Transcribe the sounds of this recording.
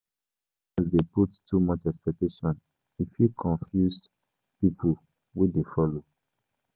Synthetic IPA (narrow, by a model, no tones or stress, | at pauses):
azdeputtːumʌt͡ʃɛkspɛk̚teʃɔ̃n | ifikʰɔ̃ɱfjus | pipʰu | widefɔlo